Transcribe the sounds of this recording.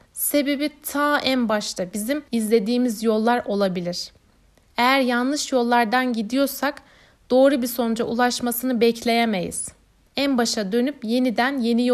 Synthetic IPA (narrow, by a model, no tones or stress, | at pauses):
se̞be̞bit̪ʰaːʔænbaʃt̪ʰˠabizimizlʲe̞d̪iːmizjo̞lˠːaɾʔo̞lˠabilʲiɾ̥ | e̞jæɾjanlˠɯʃjo̞lˠːaɾd̪anɟid̪ijo̞ɾsak | d̪̥o̞ːɾubiso̞nɾaʔulˠaʃmasɯnɯbɛclʲe̞jeme̞jḭz̥ | ænbaʃad̪ø̞nypje̞nid̪ænje̞nij